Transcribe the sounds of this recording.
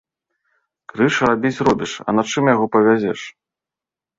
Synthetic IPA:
kɾɨʂɾabʲit͡sʲrɔbʲiʂɐ̰nat͡ʂɨmjaɣɔpɐvʲazʲɛʂ

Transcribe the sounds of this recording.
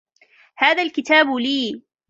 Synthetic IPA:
haːðalkɪt̪aːbliː

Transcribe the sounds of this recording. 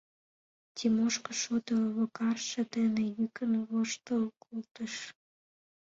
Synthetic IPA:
tʲimoʃkə̆ʃod̪əβokɑrʃə̆d̪enejykənəβoʃt̪əkʰult̪əʃ

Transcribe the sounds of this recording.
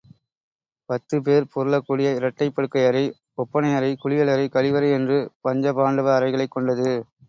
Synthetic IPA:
pɐt̪ːɯp̬eːɾpɔɾɯɭɐkːuːɽɪjɐɪɾɐʈːɐɪpːɐɽɯkːɐɪɐɾɐɪ | ɔpːɐnɐɪjɐɾɐɪkʊɻɪjɐɭɐɾɐɪkɐɻɪʋɐɾɐɛndrɯpɐɲd͡ʒɐpaːɳɖɯʋɐːɾɐɪɣɐɭɐɪkːɔɳɖɐðɯ

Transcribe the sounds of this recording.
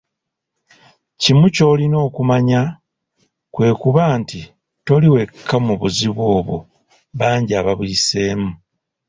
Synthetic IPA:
cimuco̞ːlino̞ːkumaɲa | kwe̞ːkuβaːnti | to̞liwe̞kʰːamuβuziβwo̞ːβo̰ | βaːɲɟiaːβaβwiːse̞ːmu

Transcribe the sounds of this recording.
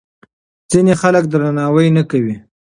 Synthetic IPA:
z̥inexalək̚d̪ɾanɑwəjnakawi

